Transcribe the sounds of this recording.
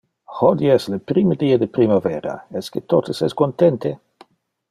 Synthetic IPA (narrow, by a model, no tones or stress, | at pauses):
hod̪iɛslepɾiməd̪iːad̪epɾimaveːɾa̰ɛsket̪ot̪əsɛskont̪ɛnt̪e